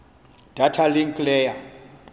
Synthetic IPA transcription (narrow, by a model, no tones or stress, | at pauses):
d̥ʱatʰaliŋkʼlɛja